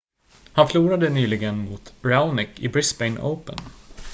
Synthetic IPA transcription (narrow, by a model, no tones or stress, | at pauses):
hanfluːɾad̪ənyːlɪɡənmuːt̪ɹaʊnɪkɪbɾɪsbɛɪnə̰ʊpə̰n